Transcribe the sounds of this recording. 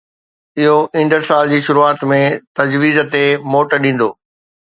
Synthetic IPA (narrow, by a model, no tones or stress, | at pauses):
ɪɦoʔɪ̃ɳɖəɾsaːld͡ʑiːʃʊɾuaːt̪mẽt̪ɐd͡ʑʋiːzt̪emoːʈɗĩːn̆d̪o̰ː